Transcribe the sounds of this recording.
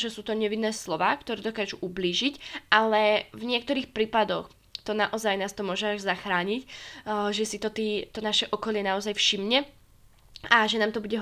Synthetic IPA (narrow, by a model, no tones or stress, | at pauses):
ʒɛsuːt̪ɔɲɛʋinːɛːslɔʋaːkt̪ɔɾɛːd̪ɔkaːʒuʔubliːʒicʔalɛvɲɪɛkt̪ɔɾiːxpɾiːpad̪ɔx | t̪ɔnaʔɔzajnaːst̪ɔmʊɔʒɛaʒzaxɾaːɲicʒɛsit̪ɔt̪iːt̪ɔnaʃɛʔɔkɔlɪɛnaɔzajfʃimɲɛ | aʒɛnaːmt̪ɔbuɟɛɦ